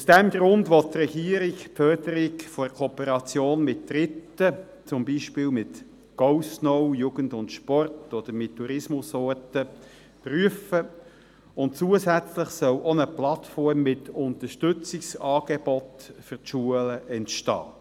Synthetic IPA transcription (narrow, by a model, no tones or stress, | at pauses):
usd̥ɛmɡɾʊndʋɔtːrɛɡ̥iːəɾɪkfœrdəɾɪkfɔkʰɔpəɾɑt͡sjoːnmɪt̚d̥ɾɪtːə | t͡sʊmbiːʃpɪːlmɪt | ɡ̥ɔʊsnɔʊjuːɡ̥ən̩dʊntʃpɔrtɔd̪̥əɾmɪtʰːuɾɪsmʊsɔrtə | pryəfə | ʊnt̚t͡suːəsæt͡sləχsœlɔnəplɑtfɔɾmːɪtʊnt̪əʃtʏt͡sɪksɑːɡ̥ɛb̥ɔtfʏʁtʃuələʔɛntʃtɑ̰ː